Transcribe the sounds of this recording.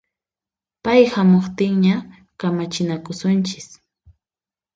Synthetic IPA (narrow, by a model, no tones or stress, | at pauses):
pajhamoχt̪ɪŋɲa | kamat͡ʃɪnakʊsʊnt͡ʃɪ̥s